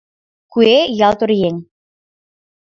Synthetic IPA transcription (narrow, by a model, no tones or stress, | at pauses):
kuejɑlt̪ŏɾjeŋ